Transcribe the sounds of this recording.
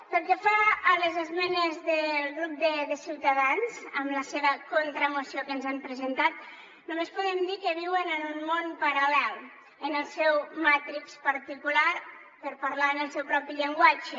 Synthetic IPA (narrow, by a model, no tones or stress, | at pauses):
pəlˠkefaːlezəzmɛnezðəlˠɣɾup̚d̪əðəsiwt̪əðanzəmləseβəkont̪ɾəmusiokənzampɾəzənt̪at̪̚ | numespuðɛmd̪ikəβ̞iwənənunmonpəɾəlɛlˠ | ənəlˠsɛwmat̪ɾikspəɾt̪ikulaɾ | pəɾpəɾlaənəlˠsɛwpɾɔpiʎəŋɡwad͡ʒə